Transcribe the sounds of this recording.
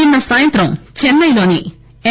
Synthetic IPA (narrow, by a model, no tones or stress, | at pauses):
inːɐsaːjɐnt̪ɾɐmt͡ʃɛnːɐjlo̞ːni | e